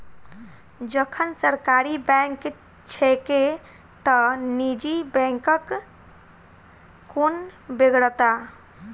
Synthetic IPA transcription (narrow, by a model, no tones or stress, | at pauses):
d͡ʒəkʰənsəɾkaɾibɛ̃ŋk | t͡ʃʰeke | t̪ənid͡ʒibɛ̃ŋkək | onbeɡɽət̪a